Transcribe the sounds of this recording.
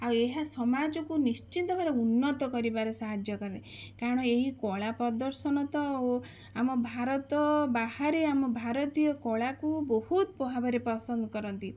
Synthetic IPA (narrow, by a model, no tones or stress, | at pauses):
aweɦasɔmad͡ʒɔkunist͡ʃint̪ɔmaɾeunːɔt̪ɔkɔɾibaɾɔsaɦad͡ʒjɔkɔɾine | kaɾɔɽ̃ɔeɦikɔɭapɔd̪ɔɾsɔnɔt̪ɔo | amɔbʱaɾɔt̪ɔbahaɾeamɔbʱaɾɔt̪ijɔkɔɭakubɔhut̪pɔɦabaɾepɾɔsɔnd̪ɔkɔɾɔnt̪i